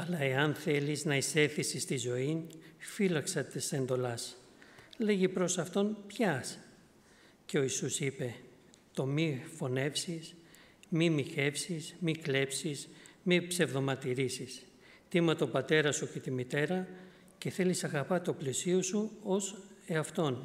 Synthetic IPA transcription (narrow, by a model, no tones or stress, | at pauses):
ɐlɐe̞ɐnθe̞liznɐise̞θisist̪izo̞infilɐksɐt̪ɐse̞nd̪o̞lɐs | le̞ʝipɾo̞sɐft̪o̞npçɐs | ce̞o̞isusipe̞ | t̪o̞mifo̞ne̞fsis | mimiçe̞fsismikle̞psismipse̞vðo̞mɐt̪iɾisis | t̪imɐt̪o̞bɐt̪e̞ɾɐsuce̞t̪imit̪e̞ɾɐ | ce̞θe̞lisɐɣɐpɐt̪o̞plesio̞suo̞seɐft̪o̞n